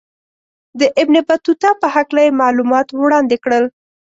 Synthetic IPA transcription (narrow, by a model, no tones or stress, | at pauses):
d̪əʔɪbnebat̪ut̪ɑpəhaklajemɑlumɑt̪wɽɑnd̪ekɽəl